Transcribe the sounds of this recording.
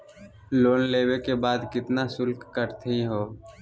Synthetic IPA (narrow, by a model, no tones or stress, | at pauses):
loːnleːwekebaːd̪kɪt̪nasʊlkkəɾt̪ʰɦĩɦoː